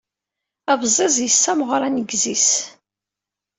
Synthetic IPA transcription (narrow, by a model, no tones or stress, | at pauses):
æbzˤezˤjəsːæmʁɾˤanəɡzis